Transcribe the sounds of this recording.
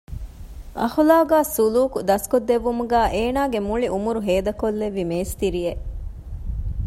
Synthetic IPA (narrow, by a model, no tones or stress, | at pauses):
ʔɐhulaːɡaːsuluːkud̪ɐskod̪ːeʋːumuɡæːʔeːnaːɡemuɭiʔumuɾuɦeːd̪ɐkolːeʋːimeːst̪iɾijeʔ